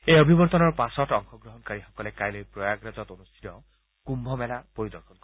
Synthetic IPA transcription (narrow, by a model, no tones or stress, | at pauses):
ejəbʱibɔɾt̪ɔnɔɹpasɔʈɔŋxʰɔɡɾɔɦɔnkaɾixɔkɔlekajlejpɾɔjaɡɾad͡ʒɔt̪onust̪ʰi̥t̪ɔ | kumbʱɔmɛlapoɾid̪ɔɾkʰɔnkɔ